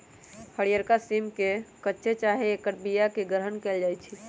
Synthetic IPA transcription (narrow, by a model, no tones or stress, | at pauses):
həɽijəɾkasimkekətːʃʰet͡ʃaɦeːkəɾ̚bijakeɡəɾɦənkeːld͡ʒaːjt͡ʃʰi